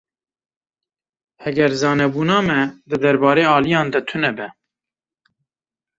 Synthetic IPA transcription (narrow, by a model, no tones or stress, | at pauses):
hɛɡɛɾzɑːnɛbuːnɑːmɛd̪ɨd̪ɛɾbɑːɾeːɑːlijɑ̃ːnd̪ɛt̪ʰʊnɛbɛ